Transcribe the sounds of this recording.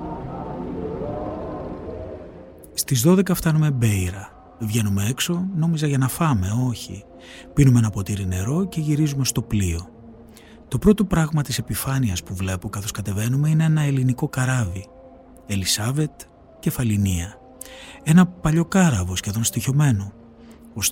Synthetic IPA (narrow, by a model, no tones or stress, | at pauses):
st̪izðo̞ðe̞kɐft̪ɐnume̞be̞iɾɐ | vʝe̞nume̞e̞kso̞no̞mizɐʝɐnɐfɐme̞o̞çḭ | pinumeenɐpo̞t̪iɾine̞ɾo̞ce̞ʝiɾizume̞st̪o̞plio̞ | t̪o̞pɾo̞t̪o̞pɾɐɣmɐt̪ise̞pifɐniɐspuvle̞pokɐθo̞skɐt̪e̞ve̞nume̞ineenɐe̞liniko̞kɐɾɐvi | e̞lisɐve̞t̪ | ce̞fɐliniɐ | e̞nɐpɐʎo̞kɐɾɐvo̞sçe̞ðo̞nst̪iço̞me̞no | os